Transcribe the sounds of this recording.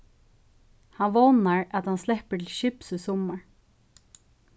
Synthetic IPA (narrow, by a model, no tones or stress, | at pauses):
hanʋɔwnaɹat̪hanslɛhpəʈ̪ʰɪlɕɪpsəsɔmaɹ